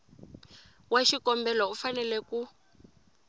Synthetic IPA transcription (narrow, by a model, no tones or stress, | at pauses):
waʃikɔmbɛlɔufanɛlɛku